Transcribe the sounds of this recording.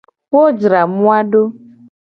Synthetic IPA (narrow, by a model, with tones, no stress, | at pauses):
ko˦d͡ʒɾa˨mu˦a˦ɖo˦